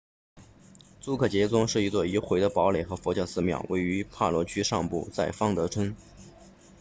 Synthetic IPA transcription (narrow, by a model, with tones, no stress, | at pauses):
t͡su˥kʰɤ˥˩t͡ɕjɛ˧˥t͡sʊ˥ŋʂɻ̩˥˩i˧˥t͡swɔ˥˩i˧˥xwe˧˥ɪd̪ə˧pɑ˧˥ʊle˨˩ɪxɤ˧˥fɔ˧˥t͡ɕjɑ˥˧sɹ̩˥˧mjɑ̰˥˩ʊwe˥˩ɪy˧˥pʰa˥˩lwɔ˧˥t͡ɕʰy˥ʂɑ˥˧ŋpṵ˥˧t͡sa˥˩ɪfɑ˥ŋt̪ɤ˧˥ʈ͡ʂʰə˥ŋ